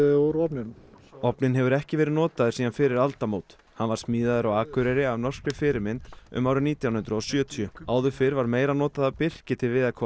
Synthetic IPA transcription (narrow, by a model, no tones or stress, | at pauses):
oɾɔpnɪn | ɔpnɪnɦɛvʏɾɛhcɪvɛːɾɪnɔːt̪aðʏsiːðanfɪɾɪɾalt̪amoːwt̪ | hanvaɾ̥smiːðaðʏɾawaːkʏɾɛɾɪavnɔr̥skɾʏfɪːɾɪmɪnt̪ʏ̰maːwɾʏniːt̪jawnhʏnt̪ɾʏɔsjœːt̪ʰjʏaːwðʏfɪɾvaɾmeːjɾanɔːt̪aðapɪr̥cɪt̪ʰɪlvɪːðakʰɔ